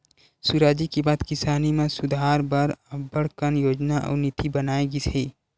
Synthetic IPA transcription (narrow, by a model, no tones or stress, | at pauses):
suɾaːd͡ʒikibaːd̪kɪsaːnimẽsʊd̪ʱaːɾbɐɾəbəɽkənjoːd͡ʒnaʔɔ̰ːnɪt̪ibɐnaːeɡisʰeː